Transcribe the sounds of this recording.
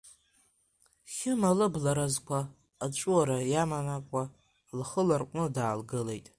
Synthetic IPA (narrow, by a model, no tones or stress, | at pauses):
χʲɪmalɨblaɾazkʷʰaː | t͡ʃʷʼuaɾajamanakʷʼa | lχəlarqʷʼnɨdaːlɡɨle̞jtʼ